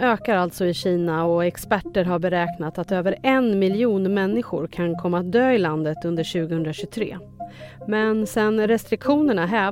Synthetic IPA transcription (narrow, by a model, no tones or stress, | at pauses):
øːkaɾalt̪sɔɪɕiːnaɔɛkspæʈːəɾɦaɾbɛɾɛːknat̪at̪øːvəɾɛnmɪljuːnmɛnːɪɧʊɾkʰankʰɔmːaːt̪̚d̪øːɪland̪ət̪ɵnd̪əɾɕʉ̟ːɡəhɵnd̪ɾaɕɵt̪ʰɾḛː | mɛnsɛnɾɛst̪ɾɪkɧuːnəɳaɦɛː